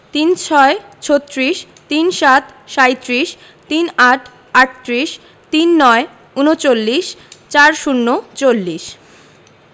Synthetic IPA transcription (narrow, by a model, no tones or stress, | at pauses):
t̪int͡ɕʰɔet͡ɕʰot̪ːɾiʃ | t̪inʃat̪ʃajt̪ɾiʃ | t̪inaʈʰ | aʈ̚t̪ɾiʃ | t̪inːɔe | unot͡ɕolːiʃt͡ɕaɾʃunːot͡ɕolːiʃ